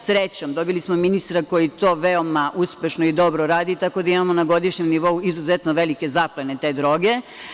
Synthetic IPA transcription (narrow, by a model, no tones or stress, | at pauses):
sɾet͡ɕomd̪o̞bilismominist̪ɾako̞jit̪o̞ːʋeo̞maʔuspe̞ʃnoid̪o̞bɾoɾaːd̪it̪ako̞d̪aimamonaɡo̞d̪iʃɲemniʋo̞uizuzet̪noʋe̞like̞zaplenet̪e̞ːd̪ɾo̞ːɡe̞